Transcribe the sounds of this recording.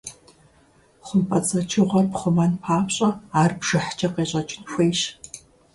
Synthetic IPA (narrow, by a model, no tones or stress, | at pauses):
χʷʊmpʼɐt͡sʼɐt͡ʃʰɪʁʷɐrpχʷʊmɐnpʰaːpɕʼɐaːrbʒ̥ɨħt͡ʃʰʼɐqeːɕʼɐt͡ʃʼɪnxʷeːjʃ